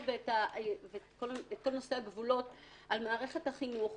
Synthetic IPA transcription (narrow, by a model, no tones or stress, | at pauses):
vetavekoletko̞lnoseaɡvulo̞t | ʔalmaːʁe̞χe̞thaχinuχ